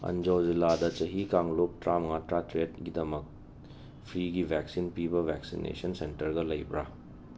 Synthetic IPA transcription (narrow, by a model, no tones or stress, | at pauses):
ɐ̰nd͡ʒowziladɐt͡ʃɐɦikaŋlop̚tɾamɐŋatɾatɾedɡidɐmɐk̚ | pʰɾiɡibʱɛk̚sinpibɐβʱɛksḭnḛsɐnsentɐɾɡɐlɐjbɾa